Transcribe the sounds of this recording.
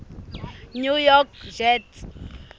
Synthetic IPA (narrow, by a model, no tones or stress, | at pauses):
nujɔkd͡ʒɛt